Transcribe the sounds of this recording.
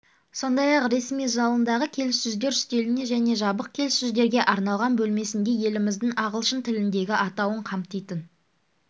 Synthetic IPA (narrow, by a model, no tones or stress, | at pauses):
so̞nd̪ɑjɑqɾe̞smijʒɑlˠənd̪ɑʁəkʲʰe̞lɪsʏzd̪e̞ɾst̪e̞lɪne̞ʒæne̞ʒɑbəq̚kʲʰe̞lɪsʏzd̪e̞ɾɡʲe̞ʔɑɾnɑlˠʁɑnbɵlme̞sɪnd̪e̞je̞lɪmɪzd̪ɪŋɑʁəlˠʃənt̪ʰɪlɪnd̪e̞ɡʲɪʔɑt̪ɑwəɴqʰɑmt̪ijt̪ən